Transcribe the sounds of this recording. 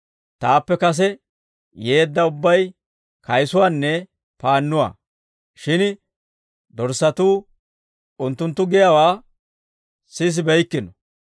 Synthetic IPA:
t̪aːpːɛkɐs̬ɛ | je̞ːd̪ːɐʊbːɐj | kɐjsʊwaːnːɛ | paːnːʊwa̰ː | ʃɪn | d̪ɔɾsɐt̪uː | ʊnt̪ːʊnt̪ːʊɡɪjawaː | sɪs̬ɪbɛjkːɪnɔ

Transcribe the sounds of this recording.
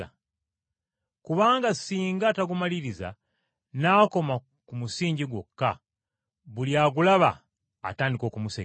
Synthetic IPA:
a | kuβaːŋɡasiːŋɡataɡumaliɾiza̰ | naːko̞ma | kumusiːɲɟiɡwo̞̰kːa | βuljaːɡulaβa̰ː | taːndiko̞ːkumuse

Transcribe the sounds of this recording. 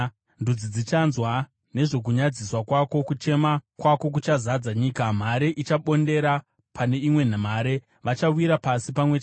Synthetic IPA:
ndud͡zid͡zit͡ʃanzwa | ne̞ʐo̞k̬uɲad͡ziswakwako̞kut͡ʃe̞makwako̞k̬ut͡ʃazad͡zaɲiːkam̤aɾe̞ʔit͡ʃaɓo̞nde̞ɾa | pʰane̞imwe̞n̤am̤aːɾe̞ | ʋat͡ʃawiɾapasipamwe̞t͡ʃ

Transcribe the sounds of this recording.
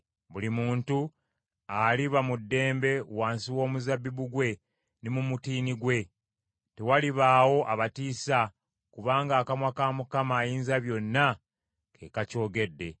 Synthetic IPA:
βulimuːntu | aliβamudːe̞ːmbe̞waːnsiwo̞ːmuzabːiβuɡwe̞ | nimumutiːniɡwe̞ | te̞waliβaːwo̞ʔaβatiːsa | kuβaːŋɡaːkamwakaːmukamaːjiːnzaβjo̞nːa | kʰe̞ːkaco̞ːɡe̞dːe̞

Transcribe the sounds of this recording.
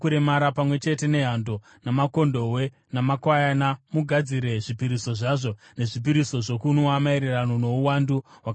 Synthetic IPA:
kuɾemaɾapamwe̞t͡ʃe̞te̞ne̞ɦando̞ | namako̞ndo̞we̞ | namakwajanamuɡʱad͡ziɾe̞ʐipiɾiso̞ʐaʐo̞ne̞ʐip̬iɾiso̞ʐo̞kunoamaiɾeranono̞uwanduɦwak

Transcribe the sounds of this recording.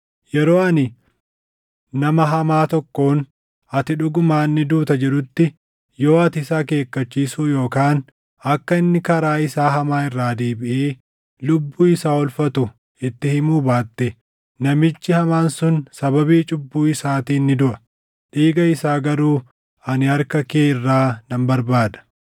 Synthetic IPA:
jɛɾoːɐnɪ | nɐmɐɦɐmaːt̪ɔkːo̞ːn | ɐt̪ɪᶑʊɡʊmaːnːɪd̪uːt̪ɐd͡ʒɛᶑʊt̪ːɪ | jo̞ːɐt̪ɪsaːke̞ːkːɐt͡ʃːiːsuːjo̞ːkaːn | ɐkːɐɪnːɪkɐɾaːɪsaːɦɐmaːɪrːaːd̪eːbɪʔeː | lʊbːuːɪsaːɔlfɐt̪ʊ | ɪt̪ːɪhɪmuːbaːt̪ːɛ | nɐmɪt͡ʃːɪhɐmaːnsʊnsɐbɐbiːt͡ʃʼʊbːuːɪsaːt̪iːnːɪd̪ʊʔɐ | ᶑiːɡɐɪsaːɡɐɾuː | ɐnɪɐɾkɐkeːɪrːaːnɐmbɐɾbaːd̪ɐ̥

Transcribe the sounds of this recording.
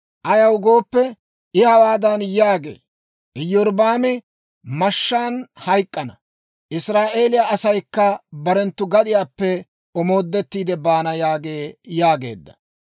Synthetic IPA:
ʔɐjɐwɡo̞ːpːɛ | ɪhɐwaːd̪ɐnjaːɡḛː | ʔɪjɔɾbaːmɪ | mɐʃːaːnhɐjkʼːɐnɐ | ʔɪsɾaːʔe̞ːlɪjaʔɐsɐjkːɐbɐɾɛnt̪ːʊɡɐd̪ɪjaːpːɛ | ɔmo̞ːd̪ːɛt̪ːiːd̪ɛbaːnɐjaːɡe̞ːjaːɡe̞̰ːd̪ːɐ̥

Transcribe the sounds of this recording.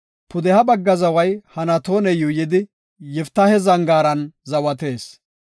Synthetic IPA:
pʊd̪ɛhɐbɐɡːɐzɐwɐjhɐnɐt̪oːnɛjuːjɪd̪ɪ | jɛft̪ːɐhɛzɐŋɡaːɾɐnzɐwɐt̪e̞ːs

